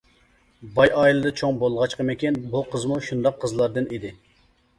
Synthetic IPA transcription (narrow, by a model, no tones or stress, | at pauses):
bɑjɑːilˠɨd̪ɨt͡ʃʰoŋbolˠʁɑt͡ʃqəmekʲɛnbuqʰəzmuʃund̪ɑqʰːəzlˠɑɾd̪ɨnid̪ɪ